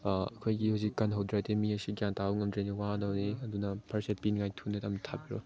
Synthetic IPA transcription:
ɐkʰojɡihɐwzikːɐnɦawdɾatemiɐsiɡjantauŋɐmdɾeniwaadɐwniɐdunɐpʰɐɾset̚pinŋajtʰunetɐmtʰabiɾo̰

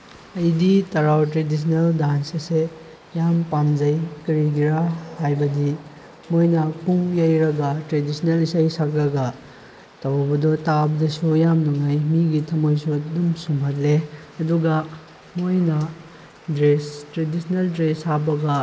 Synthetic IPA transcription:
ɐjditɐɾawtɾedis̬ʰneldansɐse | jampamd͡ʒɐjkɐɾiɡiɾahajbɐdi | mojnɐpuŋjajɾɐɡɐtɾedisnelisajsakɾɐɡɐ | tɐwbɐdɔtabɐdɐsujamnuŋajmiɡitʰɐmojsudumsumɦɐt̚le | ɐduɡɐ | mojnɐ | dɾestɾedisɐneldɾesabɐɡɐ

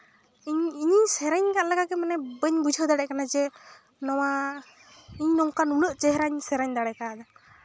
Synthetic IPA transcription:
ɲiɲiɲsɛɾɛɲkaʔ̪lɛɡaɡɛmanɛbəɲbud͡ʒʱəd̪aɽɛʔkanad͡ʒɛ | nɔwa | iɲnɔŋkanuləʔt͡ʃɛɦɾaɲsɛɾaɲd̪aɽɛkad̪ɔ

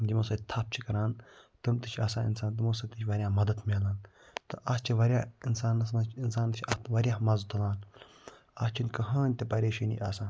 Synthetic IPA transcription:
d͡ʒimoːsɐt̪ʰɐp̚t͡ʃʰikɐɾaːnt̪ɨmt̪ɨt͡ʃʰaːsãːɪ̰nsaːnt̪ɨmoːsɐt̪it͡ʃʰʋɐɾʲjãːmɐd̪ɐd̪mʲeːlaːn | t̪ɨʔat͡ʃʰiʋɐɾʲjaːinsaːnːɐs̬mɐt͡ʃʰinsaːnt͡ʃʰʲɐt̪ʋɐɾʲjaːmɐzd̪ɐlaːn | aːst͡ʃʰinkɐɦãːnʲt̪ɐpɐɾʲeːʃɐnʲḭʔaːsaː

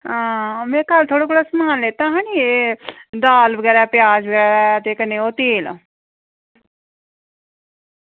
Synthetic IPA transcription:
ɦãːmẽːkalt̪ʰoːɽoːkoːɽaːsəmaːnleːt̪ãːɦãːd͡ʒied̪aːlbəɡɛːɾɛːpɪjaːd͡ʒbəɡɛːɾɛːt̪eːkəneːoːt̪eːl

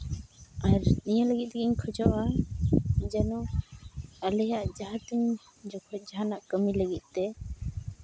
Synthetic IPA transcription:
aɾnijaləɡit̪̚t̪ɛɡiɲkʰɔd͡ʒɔʔa | d͡ʒanu | alɛjaʔd͡ʒaɦat̪uɲ | d͡ʒɔkʰɔd͡ʒaɦanaʔkəmiləɡit̪̚ˀt̪ɛ

